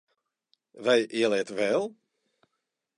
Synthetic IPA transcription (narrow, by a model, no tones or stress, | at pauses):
ʋɛjʔɪəlˠɛtʋɛlˠ